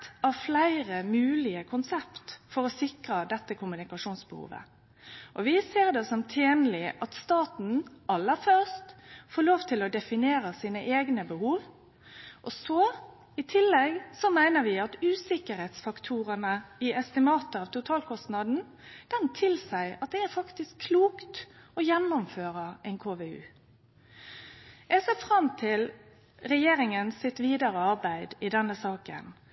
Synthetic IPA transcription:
t̪ɑflæɪʁəmʉːlɪəkʰʊnsɛpt̪fɔɾɔsɪkʁəd̪ɛt̪ːəkʰʊmʉnɪkɑʂuːnsbə̰hṵːʋə̰ | ʔɔʋɪseːʁd̪ɛsɔmt̪ʰeːnlɪʔɑt̪st̪ɑːt̪n̩ɑlːəfœʁst̪foːloːʋt̪ʰɪlɔd̪ɛfɪneːɾəsiːnəʔeːɡnəbəhuːʋ | ʔɔsɔ | ɪt̪ʰɪlːɛɡsɔmæɪnəʋɪɑt̪ʉːsɪkəɾhɛt̪sfɑkt̪ʰuːɾənəɪɛst̪ɪmɑːt̪əɑːʋt̪ʰʊt̪ʰɑːlkʰɔst̪nɑd̪n̩ | d̪̥ɛnt̪ʰɪlsæɪɑt̪̚d̪ɛæɾfɑkt̪ɪskʰːluːkt̪ɔjɛnːɔmføːɾəʔɛɪnkʰoːʋeʉ̰ː | æɪsɛːfɾɑmt̪ʰɪl | ɾɛjeːɾɪŋənsɪt̪ʋiːd̪ɑɾəɑɾbæɪd̪ɪd̪ɛnːəsɑːkə̰n

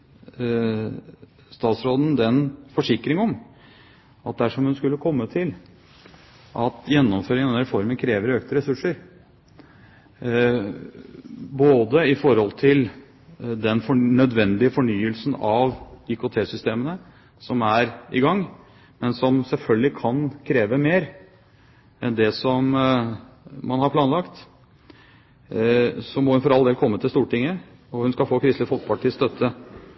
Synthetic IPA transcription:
st̪ɑːt̪sɾoːd̪n̩d̪ɛnfɔʂɪkɾɪŋəɔm | ɑt̪̚d̪æʂɔmhʉnskʉlːəkʰɔmːət̪ʰɪl | ʔɑt̪jɛnːɔmføːɾɪŋənnɾɛfɔɾmənkʰɾeːʋəɾøːkt̪əɾɛsʉʂəɾ | boːd̪əɪfɔɾhɔlt̪ʰɪl | d̪ɛnfɔnœd̪ʋɛnd̪ɪəfɔɳyːəlsnɑʋɪkʊt̪ʰeːsʏst̪eːmənə | sɔmæɾɪ̰ɡɑŋː | mɛnsɔmsɛlfœlɡəlɪkʰɑnkʰɾeːʋəmeːɾ | ɛnd̪ɛsɔm | mɑnhɑɾpʰlɑːnlɑkt̪ | sɔmɔhʉnfɔɾɑld̪eːlkʰɔmːət̪ɪlst̪uːʈɪŋːə | ɔhʉnskɑfoːkʰɾɪst̪əfɔlt̪pɑʈʰist̪œt̪ʰːə

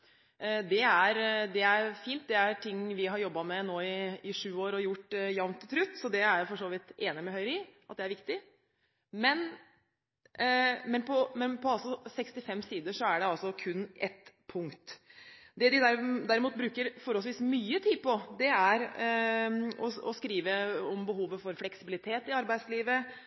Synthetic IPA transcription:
d̪ɛæɾd̪ɛæɾfiːnt̪̚d̪ɛæɾʈʰɪŋːʋɪɦɑɾjɔbːɑmɛnoːɪɪʂʉːoːɾɔjʊʈːjɑʋnt̪ʰɪt̪ʰɾʉt̪ːsɔd̪ɛæɾjfɔʂoːʋɪt̪eːnɪmɛɦœʏɾɪʔɑt̪̚d̪ɛæɾʋɪkt̪ɪ | mɛn | mɛnpʰɔmɛnpʰɔɑlsɔsɛkst̪ɪfɛmːsiːd̪əʂɔæɖɛɑlsɔkʰʉnːʔɛt̪pʰʊŋkt̪d̪ɛd̪ɪd̪æɾd̪æɾɪmuːt̪̚bɾʉːkəɾfɔɾɔlsʋiːsmyːət̪ʰiːd̪̚pʰɔd̪ɛæɾ | ɔɔ̰skɾiːʋəɔmbəɦuːʋəfɔɾflɛksɪbɪlɪt̪ʰeːt̪ɪɑɾbæɪsliːʋə

